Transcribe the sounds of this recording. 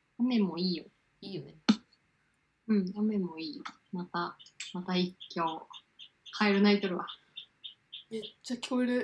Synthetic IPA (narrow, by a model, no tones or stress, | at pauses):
jame̞moiːjo | iːjo̞ne | ɯ̟̃ɴjame̞mo̞iːjo | mat̪amat̪aikʲːo̞ː | kʰaeɾɯ̟nait̪oɾɯ̟βa | et͡ɕakʲʰoːiɾɯ̟